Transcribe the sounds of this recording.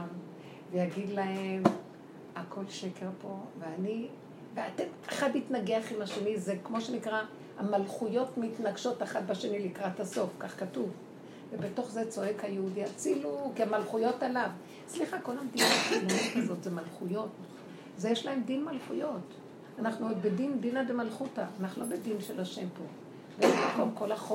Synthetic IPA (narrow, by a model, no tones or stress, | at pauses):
m | vejaɡid̪lahem | akʰo̞lʃe̞ke̞ʁpo̞veani | veatemaχaditnaɡeaχimaʃenizekmo̞ʃenikʁa | hamalχujo̞tmitnaɡʃo̞taχat̚baʃe̞nilikʁathaso̞fkaχkatuv | vebeto̞χze̞t͡so̞e̞khajeudiat͡silukiamalχujo̞talav | sliχako̞lamd̪inakilonitazo̞tzemalχujo̞t | zejeʃlahe̞mdinmalχujo̞t | anaχnubedind̪inabemalχutaːnaχnulo̞bedinʃelaʃe̞mpo̞ | bemakomko̞laχo